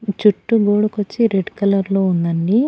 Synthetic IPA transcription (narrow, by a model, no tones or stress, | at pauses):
t͡ʃuʈːuɡoːɽukot͡ʃːiɾeɖkɐlɐɾloːund̪ɐnːi